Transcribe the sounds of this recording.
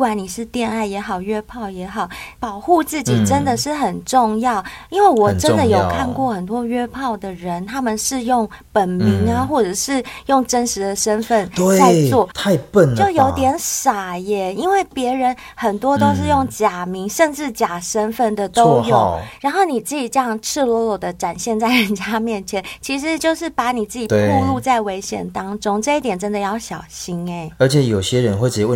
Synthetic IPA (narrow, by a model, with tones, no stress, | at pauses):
wa˨˩ni˨˩ʂɻ̩˥˧t̪jɛ˥˧na˥˩ɪjɛ˧˥xɑ˨˩ʊɥɛ˥pʰɑ˥˩ʊjɛ˧˥xɑ˨˩ʊpɑ˨˩ʊxu˥˧t͡sɹ̩˥˩t͡ɕi˨˩ʈ͡ʂə˦˥nd̪ə˨ʂɻ̩˥˩xə˨˩nʈ͡ʂʊ˥˧ŋjɑ˥˩ʊi˥nwe˥˩ɪwɔ˨˩ʈ͡ʂə˦˧nd̪ə˨jo˨˩ʊkʰa˥˧nkwɔ˥˩xə˨˩nt̪̬wɔ˥ɥɛ˥pʰɑ˥˩ʊd̪ə˩ɻə˧˦nt̪ʰa˥mə˨nʂɻ̩˥˧jʊ˥˩ŋ | pə˨˩nmi˧˥ŋə˧xwɔ˥˩ʈ͡ʂɤ˨˩ʂɻ̩˥˧jʊ˥˩ŋʈ͡ʂə˥nʂɻ̩˧˥d̪ə˨ʂə˥nfə˥˧nt̪we˥˨a˥˧ɪt͡swɔ˥˩˨t̪ʰa˥˧ɪpə˥˨˩nt͡ɕo˥˩˧jo˧˥ʊt̪jɛ˧˥nʂa˨˩jɛ˨˥i˥nwe˥˩ɪpjɛ˧˥ɻə˧˦˥n | xə˨˩nt̪wɔ˥t̪o˥ʊʂ̬ɻ̩˥˧jʊ˥˩ŋt͡ɕja˨˩mi˧˥ŋʂə˥˧nʈ͡ʂɻ̩˥˩t͡ɕja˨˩ʂə˥nfə˥˩nd̪ə˩t̪o˥ʊ˥˧jo˥˨ɻa˧˥nxo˥˩ʊni˨˩t͡sɹ̩˥˩i˨˩ʈ͡ʂɤ˥˧jɑ˥˩ŋʈ͡ʂʰɻ̩˥˩lwɔ˧˥jɔ˨˩d̪ə˦ʈ͡ʂa˨˩nɕjɛ˥˧nt͡sa˥˩ɪɻə˧˦˥nt͡ɕja˥mjɛ˥˩nt͡ɕʰjɛ˧˦nt͡ɕʰi˧˥ʂ̬ɻ̩˧˦t͡ɕjo˥˧ʊʂɻ̩˥˩pa˧˥ni˨˩t͡sɹ̩˥˩t͡ɕi˨˩t̪wu˥˧lu˥˧t͡sa˥˩ɪwe˧˥ɪɕjɛ̰˨˩nt̪ɑ˥ŋʈ͡ʂʊ˥ŋʈ͡ʂɤ˥˧i˥˩t̪jɛ˨˩nʈ͡ʂə˦˥nd̪ə˨˧jɑ˥˩ʊɕjɑ˨˩ʊɕi˥ne˧˦ɪə˞˧˥t͡ɕʰjɛ˨˩˦jo˨˩ʊɕjɛ˦ɻə˧˦nxwe˥˩ɪʈ͡ʂ̩˧˩i˨˧wə˥˩